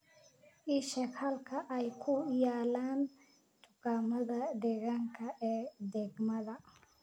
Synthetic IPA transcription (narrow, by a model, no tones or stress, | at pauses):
ʔiʃɛkhɐlkʰɐʔɛjkʰʊjaːlaːn | t̪ʰʊɡaːmɐðɐd̪ɛɣaːŋkʰɐʔɛːd̪ɛɡmɐðɐ